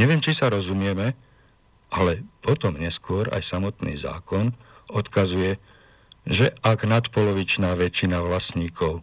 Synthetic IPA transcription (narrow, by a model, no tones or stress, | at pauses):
ɲɛʋɪjɛmt͡ʃisaɾɔzumɪɛmɛ | ʔalɛpɔt̪ɔmɲɛskʊɔɾa̰jsamɔt̪nḭːza̰ːkɔnɔt̪kazujɛ | ʒɛʔaɡnat̪pɔlɔʋit͡ʃnaːʋɛt͡ʃinaʋlasɲiːkɔʊ